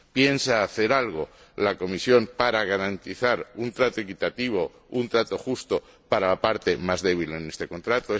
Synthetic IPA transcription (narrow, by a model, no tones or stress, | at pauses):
pje̞nsaːθe̞ɾalɣ̞o̞ | lako̞misjo̞mpaɾaɣ̞aɾant̪iθaɾunt̪ɾat̪oekit̪at̪iβ̞o̞ | unt̪ɾat̪o̞xust̪o̞ | paɾalapaɾt̪e̞mazðe̞β̞ile̞ne̞st̪e̞ko̞nt̪ɾat̪oe